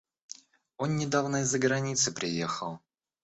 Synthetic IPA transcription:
o̞nːʲɪd̪avnəɪzːəɡɾɐnʲit̪sɨpɾʲɪjexəlˠ

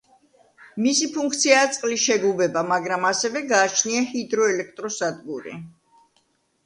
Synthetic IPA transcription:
misipʰuŋkʰt̪sʰiaːt̪sʼqʼliʃɛɡlubɛbamaɡɾamasɛvɛɡaːt͡ʃʰniahid̪ɾɔɛlɛk̚ʰt̪ʼɾɔsad̪ɡuɾḭ

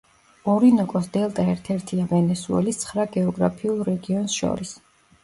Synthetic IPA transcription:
ɔɾinɔkʼɔsd̪ɛlˠt̪ʼaɛɾt̪ʰɛɾt̪ʰiavɛnɛsuɛ̰list̪sʰχɾaɡɛɔɡɾa̰pʰiulˠɾɛɡiɔnsʃɔ̰ɾis

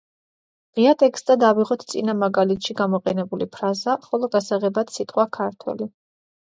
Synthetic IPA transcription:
ʁiat̪ʼɛkst̪ʼad̪aviʁɔt̪ʰt̪sʼinamaɡalit̪ʰʃiɡamɔqʼɛnɛbulipʰɾazaχɔlˠɔɡasaʁɛbat̪sit̪ʼqʼwakʰaɾt̪ʰwɛ̰li

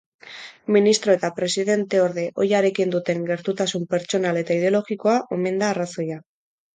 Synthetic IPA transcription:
minist̪ɾo̞e̞t̪apɾe̞siðe̞nt̪e̞o̞ɾðe̞ʔo̞jaɾe̞kind̪ut̪e̞ŋɡe̞ɾt̪ut̪asumpe̞ɾt͡ʃo̞nale̞t̪aið̞e̞o̞lo̞ɣiko̞aʔo̞me̞nd̪aːraso̞ja

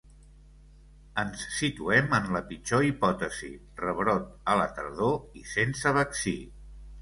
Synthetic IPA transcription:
ənsːit̪uɛmənləpit͡ʃoipɔt̪əzḭ | rəβɾɔt̪̚ələ̰t̪ə̰ɾðoisensəβəksi

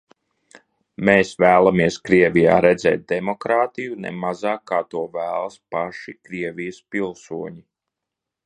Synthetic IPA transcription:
meːsvæːlˠamiɛskɾiɛvija̰ːɾɛd̪zɛ̰ːt̪̚d̪ɛmɔkɾaːt̪ijunɛ̰mazaːkːaːt̪uɔvæːlˠɐspaʃikɾiɛvʲijəspilˠsuɔɲi

